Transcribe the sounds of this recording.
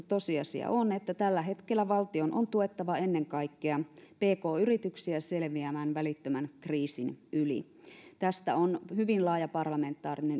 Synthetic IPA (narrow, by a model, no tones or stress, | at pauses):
t̪osiɑsḭɑ̰ʔonet̪ːæt̪ælːæɦe̞t̪kelːæʋɑlt̪ionʔont̪uet̪ːɑʋɑe̞nːeŋkɑikːeɑpeːkoːyrit̪yksiæselʋiæmæːnʋælit̪ːømænkriːsinʔylḭ | t̪æst̪æ̰onhyʋinlɑːjɑpɑrlɑme̞nt̪ːˑɑːrinen